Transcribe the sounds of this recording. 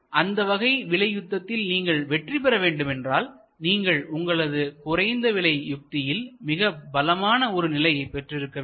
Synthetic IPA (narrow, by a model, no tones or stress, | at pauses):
ʔɐnd̪ɐʋɐɣɐɪʋɪɭɐɪjʊt̪ːɐt̪ːɪlniːŋɡɐɭʋɛʈrip̬ɛɾɐʋeːɳɖɯmɛndraːl | niːŋɡɐɭʊŋɡɐɭɐðɯkʊrɐɪnd̪ɐʋɪɭɐɪjʊk̚t̪ɪjɪlmɪɣɐbɐlɐmaːnɐɔɾɯnɪlɐjɐɪpːɛʈrɪɾɯkːɐ